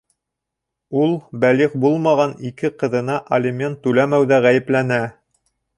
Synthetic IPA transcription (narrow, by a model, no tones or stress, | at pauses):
ulˠbæliχbulˠmɑʁɑnikɘqɤ̆ðɤ̆nɑʔɐlʲɪmʲent̪ːʉlæmæwðæʁæjɘ̆plænæ